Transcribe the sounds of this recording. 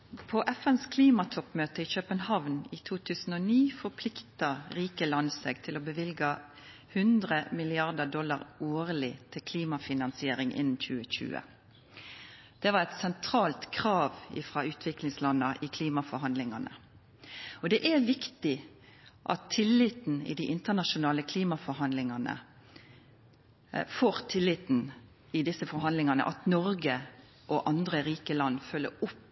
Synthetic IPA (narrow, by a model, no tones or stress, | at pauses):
pʰɔʔɛfɛnskʰliːmɑt̪ʰɔpːmøːt̪əɪçøːpənhɑʋniːt̪ʰuːt̪ʰʉːsn̩ɔːniːfɔɾpʰlɪkt̪ɑʁiːkəlɑnsɛ̰ɡt̪ʰɪlɔbəʋɪlɡɑ | hʉnd̪ʁəmɪlɪɑʁd̪əɖɔlːɑʁoːʁlɪt̪ʰɪlkʰliːmɑfɪnɑnsɪeːɾɪŋʔɪ̰nn̩çʉːəçʉ̰ːə̰ | d̪̥ɛʋɑʁɛt̪sɛnt̪ʰʁɑːlt̪kʰʁɑːʋɪ̰fʁɑʉːt̪ʰʋɪklɪŋslɑnːɑʔɪkʰliːmɑfɔɾɦɑnd̪lɪŋɑnə̰ | ɔd̪ɛʔæʋɪkt̪ɪ | ʔɑ̰t̪ʰːɪlːɪt̪n̩ɪ̰d̪iʔɪnt̪ənɑʃʊnɑːləkʰliːmɑfɔɾɦɑnd̪lɪŋɑnə̰ | foːʁt̪ʰɪlːɪt̪n̩ | ɪd̪ɪsəfɔɾɦɑnd̪lɪŋɑnə̰ʔɑt̪nɔɾɡə | ʔɔʔɑnd̪ʁəʁiːkəlɑnːfœlːə̰ɾʊp